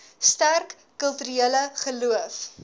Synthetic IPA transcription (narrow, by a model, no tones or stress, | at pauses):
stærkːəlˠtyɾieələχəluəf